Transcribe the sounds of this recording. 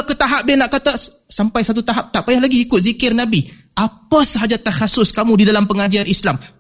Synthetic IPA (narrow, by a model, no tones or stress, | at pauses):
kət̪aɦap̚dianaʔkat̪a | sampajsat̪̬ut̪aɦap̚t̪aʔpajahlaɡiːkʊt̪̚zikɪrnabi | ʔapəsəɦad͡ʒat̪ahasʊskamũdidalampəŋad͡ʒianislam